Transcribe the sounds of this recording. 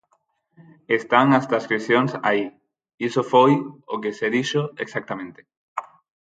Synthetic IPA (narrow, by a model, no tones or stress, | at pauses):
est̪aŋast̪ɾaskɾiθjoŋsa̰i | isofojokeseðiʃoeksak̚t̪amẽnt̪e̥